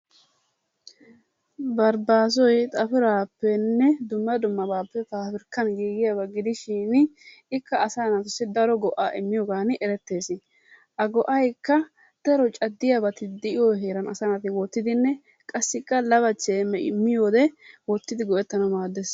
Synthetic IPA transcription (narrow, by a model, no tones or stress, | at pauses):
bɐɾbaːs̬ɔjt̪ʼɐfɪɾaːpːɛnːɛd̪ʊmːɐd̪ʊmːɐbaːpːɛt̪aːfɪɾkːɐnɡiːɡɪjabɐɡɪd̪ɪʃɪn | ɪkːɐːsaːnɐt̪ɪsːɪd̪ɐɾɔɡɔʔa̰ːʔɪmːɪjɔɡaːnɪʔɛɾɛt̪ːe̞ːsɪ | ʔɐɡɔʔɐjkːɐ | d̪̥ɐɾɔt͡ʃʼɐd̪ːɪjabɐt̪ɪd̪ɛʔɪjoɦe̞ːɾɐnɐsaːnɐt̪ɪwɔt̪ːɪd̪ɪnːɛ | kʼɐsːɪkːɐlɐβɐt͡ʃːeːmːɛʔɪmːɪjoːd̪ɛwɔt̪ːɪd̪ɪɡɔʔɛt̪ːɐnɐmaːd̪ːes